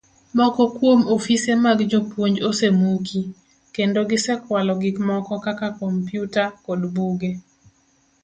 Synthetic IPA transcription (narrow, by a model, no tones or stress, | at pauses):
mɔkɔkwomofisemaɡd͡ʒopwoɲd͡ʒosemukʰi | kendoɡɪsɛkwalɔɡɪkmɔkɔkakakɔmpjutakodbuɡe